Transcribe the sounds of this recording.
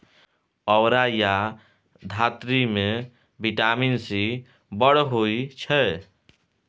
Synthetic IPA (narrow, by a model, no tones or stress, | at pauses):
əwɾaja | d̪ʱat̪ɾime | bʱiʈaminsi | bəɽɦoit͡ʃʰə